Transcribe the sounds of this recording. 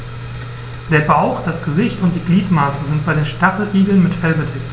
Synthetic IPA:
d̥eːɐbaʊxd̥asɡ̥əzɪçtʊntd̥iːɡliːtmaːsn̩zɪnt̚b̥aɪdeːnʃtaχl̩ʁiːɡl̩nmɪtfɛlbədɛkt

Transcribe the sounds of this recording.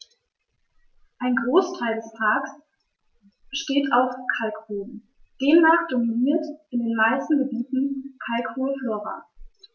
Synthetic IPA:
ʔaɪnɡʁoːstʰaɪldɛspʰaːks | b̥əʃteːtʰaʊfkʰalkhoːlm | d̥eːmnaːχd̥ominiːɐtʔɪndeːnmaɪstn̩ɡəbiːtn̩kʰalkhoːlføːʁɐ̰

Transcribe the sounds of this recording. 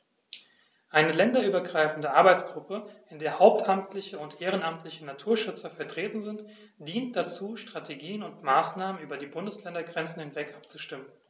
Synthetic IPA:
ʔaɪnəlɛndɐʔyːbɐɡʁaɪfn̩dəʔaɐbaɪt͡sɡ̥ʁʊpəʔɪndeːɐhaʊp̚tʔamtʰlɪçəʊntʔeːʁ̞ənʔamtlɪçənatʰuːɐʃʏt͡sɐfɛɐtʁ̥eːtn̩zɪnt | d̥iːnt̚d̥at͡suːʃtʁ̥atʰeɡiːənʊntmaːsnaːmənʔyːbɐdiːbʊndəslɛndɐɡʁɛnt͡sn̩hɪnvɛkʔap̚t͡suʃtɪmən

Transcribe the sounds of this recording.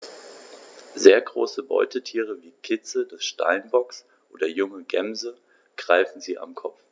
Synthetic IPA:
zeːɐɡʁo̰ːsəbɔ̰ʏtətʰiːʁ̞əviːkʰɪt͡səd̥ɛsʃta̰ɪnbɔks | ʔoːdɐjʊŋəɡɛmzə | ɡ̥ʁaɪfn̩ziːʔa̰mkʰɔpp͡f

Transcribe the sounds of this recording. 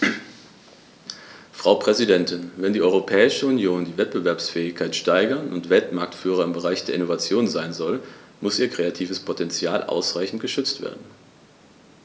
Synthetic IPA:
fʁ̥aʊpʁ̥ɛzidɛntɪnvɛndiːɔʏʁopʰɛːɪʃəunjoːndiːvɛt̚b̥əvɛɐpsfɛːɪçkʰaɪtʃtaɪɡɐnʊ̰ntv̥ɛltmaɐk̚tfyːʁ̞ɐɪmbəʁaɪçd̥eːɐɪnovat͡sjoːnzaɪnzɔlmʊsʔiːɐkʁ̥eatʰiːvəspʰotʰɛnt͡sjaːlʔa̰ʊsʁaɪçn̩tɡ̥əʃʏt͡stv̥ḛːɐdn̩

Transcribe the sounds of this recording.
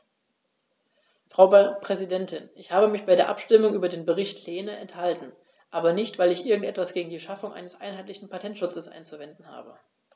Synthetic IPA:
fʁ̥aʊpʁ̥ɛzidɛntʰɪnʔɪçhaːbəmɪçb̥aɪdeːɐʔa̰pʃtɪmʊŋʔyːbɐdeːnbəʁɪçtʰleːnəʔɛnthaltn̩ | ʔaːbɐnɪçtv̥aɪlɪçʔɪɐɡŋ̩tʔɛtv̥asɡ̥eːɡŋ̩diːʃafʊŋʔa̰ɪnəsʔa̰ɪnɦaɪtlɪçn̩pʰatʰɛntʃʊt͡səsʔa̰ɪnt͡suvɛndn̩ha̰ːbə

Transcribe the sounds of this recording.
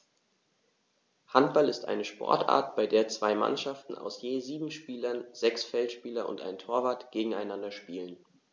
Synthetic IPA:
hantb̥alɪstʔa̰ɪnəʃpɔ̰ɐtʰʔa̰ːɐtb̥aɪdeːɐt͡sv̥aɪma̰nʃaftn̩ʔa̰ʊsjeːziːbm̩ʃpiːlɐnzɛksfɛltʃpiːlɐʔʊ̰nta̰ɪntʰoːɐvaːtɡ̥eːɡŋ̩aɪnandɐʃpiːlən

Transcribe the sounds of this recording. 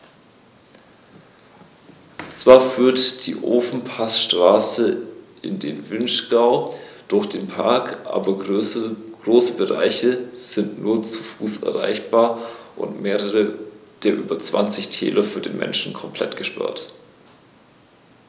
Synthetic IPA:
t͡sv̥aːɐfyːɐtd̥ḭːʔoːfn̩pʰasʃtʁ̥aːsəʔɪndeːnvɪnʃɡ̥aʊd̥ʊɐçd̥eːnpʰaɐkʔa̰ːbɐ | ɡ̥ʁoːsəbəʁa̰ɪçəz̥ɪntnuːɐt͡sufuːsɛ̰ɐʁa̰ɪçb̥aːɐʔʊ̰ntmeːʁəʁəd̥eːɐʔyːbɐt͡sv̥a̰nt͡sɪçtʰɛ̰ːlɐfyːɐdeːnmʔɛ̰nʃn̩kʰɔmpʰl̥ɛ̰tɡ̥əʃpa̰ɐt

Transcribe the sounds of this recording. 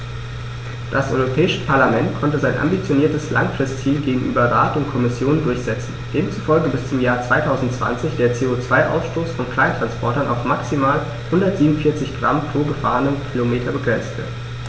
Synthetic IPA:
d̥asʔɔ̰ʏʁopʰɛːɪʃəpʰaɐlamɛntkʰɔntəzaɪnʔa̰mbit͡sjoniːɐtəsla̰ŋfʁ̥ɪstt͡siːlɡeːɡŋ̩ʔyːbɐʁaːtʊntkʰɔmɪsjoːnndʊɐçz̥ɛt͡sn̩d̥eːmt͡su̥fɔlɡəbɪst͡sʊmjaːɐt͡sv̥aɪtʰaʊzn̩tt͡sv̥a̰nt͡sɪçd̥eːɐt͡seːot͡sv̥aɪʔa̰ʊsʃtoːsfɔnkl̥aɪntʁ̥anspʰɔɐtɐnaʊfmaksimaːl | hʊndɐtz̥iːmʊnfiɐt͡sɪçɡ̥ʁa̰mpʁ̥oːɡəfa̰ːʁənəmkʰilomeːtʰɐbəɡʁɛnt͡stv̥ə̰t

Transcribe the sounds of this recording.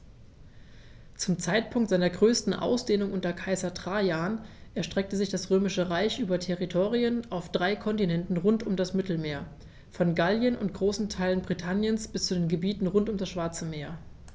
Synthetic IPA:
t͡sʊmt͡saɪtpʰʊŋktz̥aɪnɐɡʁøːstn̩ʔa̰ʊsd̥eːnʊŋʔʊntɐkʰaɪzɐtʁ̥aːjaːnʔɛɐʃtʁ̥ɛk̚təzɪçd̥asʁøːmɪʃəʁaɪçʔyːbɐtʰɛʁitʰoːʁiənʔaʊfd̥ʁaɪkʰɔntinɛntn̩ʁʊntʊmdasmɪtl̩meːɐ | fɔnɡaljənʊ̰nt̚ɡ̥ʁoːsn̩tʰaɪlənbʁitʰanjənsb̥ɪst͡sudeːnɡəbiːtn̩ʁʊntʊmdasʃv̥aɐt͡səmeːɐ

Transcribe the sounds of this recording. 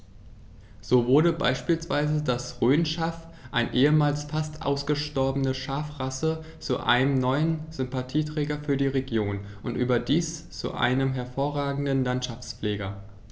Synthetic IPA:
z̥oːvʊɐɾəba̰ɪʃpiːlsv̥aɪzədasʁøːnʃaːf | ʔaɪnʔeːəmaːlsfastʰʔa̰ʊsɡ̥əʃtɔɐbənəʃaːfʁasə | t͡suʔa̰ɪnəmnɔʏənz̥ʏmpatʰiːtʁ̥ɛːɡɐfyːɐdiːʁeɡjoːnʔʊntʔyːbɐdiːst͡sṵʔa̰ɪnəmɦɛɐfoːɐʁaːɡŋ̩dnlantʃaft͡sfleːɡɐ

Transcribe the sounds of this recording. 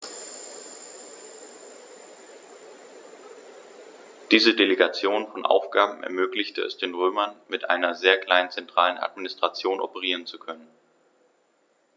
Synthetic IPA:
d̥iːzədeleɡat͡sjoːnfɔnʔa̰ʊfɡ̥aːbm̩ʔɛ̰ɐmøːklɪçtəɛ̰sd̥eːnʁøːmɐnmɪtʔa̰ɪnɐzeːɐkl̥aɪnənt͡sɛntʁ̥aːləna̰tminɪstʁ̥at͡sjoːnʔɔ̰pəʁ̞iːʁ̞ənt͡sukʰœnən

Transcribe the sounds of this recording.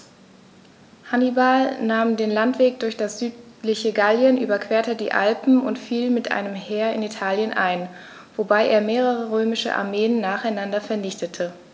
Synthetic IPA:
hanibalnaːmdeːnlantv̥eːk̚d̥ʊɐçd̥asz̥yːtlɪçəɡaljənʔy̰ːbɐkv̥eːɐtədḭːʔa̰lpm̩ʊ̰ntfiːlmɪtʔa̰ɪnəmheːɐɪ̰nitʰaːljənʔa̰ɪn | vobaɪʔeːɐmeːʁ̞əʁ̞əʁøːmɪʃə̰ʔa̰ɐmeːənːaːχaɪnandɐfɛɐnɪçtətʰə

